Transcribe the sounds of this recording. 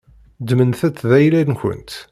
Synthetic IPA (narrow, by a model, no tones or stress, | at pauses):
d̪mənθæt͡sːðæjlædnçə̰nt̪